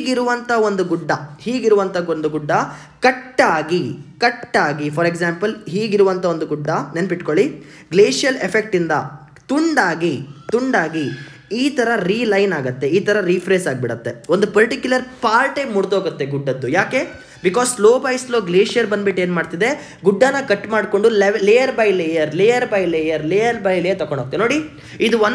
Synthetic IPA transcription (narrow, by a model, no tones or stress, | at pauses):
ɡiɾuʋɐnt̪ʰɐo̞nd̪uɡuɖːɐhiːɡiɾuʋɐnt̪ʰɐond̪uɡuɖːɐ | kɐʈːaːɡikɐʈːaːɡipʰɐɾeɡsaːmpɐlɦiːɡiɾuʋɐnt̪ʰɐo̞nd̪uɡuɖːɐnenɐpiʈkoɭi | ɡleːʂijɐlepʰek̚ʈind̪ɐ | t̪uɳɖaːɡit̪uɳɖaːɡi | iːt̪ʰɐɾɐɾiːlɐjnaːɡɐt̪ːe̞iːt̪ʰɐɾɐɾipʰɾeːsaːɡ̚biɽɐt̪ːe̞ond̪upɐɾʈikjulɐɾpaːlʈɐmːuɽt̪ɦoːɡut̪ːe̞ɡuɖːɐd̪ːujaːke̞ | bikɔːssloːbɐjslo̞ːɡleːʂijɐɾbɐnbiʈːeːnmaːɽt̪id̪e̞ | ɡuɖːɐnɐkɐʈːmaːɖko̞ɳɖuleʋleːjɐɾbɐjleːjɐɾleːjɐɾbɐjleːjɐɾleːjɐɾbɐjleːɐɾt̪ɐkoɳɖoːɡ̚t̪eno̞ːɽi | id̪uon